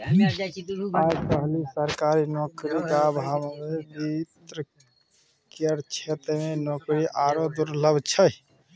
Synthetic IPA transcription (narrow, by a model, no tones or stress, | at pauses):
ad͡ʒpəɦlisəɾkaɾinokɾiɡabʱambebit̪ɾə | kiəɾt͡ʃʰet̪menokɾiʔaɾod̪uɾləbt͡ʃʰəj